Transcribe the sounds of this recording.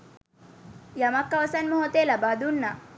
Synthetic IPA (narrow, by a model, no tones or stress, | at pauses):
jɐmakːaʋsanmɔɦɔt̪elabad̪unːa